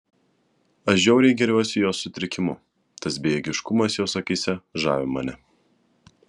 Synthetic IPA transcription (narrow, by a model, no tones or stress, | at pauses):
ɐʒʲɛʊɾʲɛɪɡʲɛɾʲuˑɔsʲɪjoːsːʊt̪ʲɾʲɪkʲɪmʊ̰ | t̪ɐsbʲejɛɡʲɪʃkʊmɐsjoːsɐkʲiːsʲɛʒɑ̰ːʋʲɪmɐnʲɛ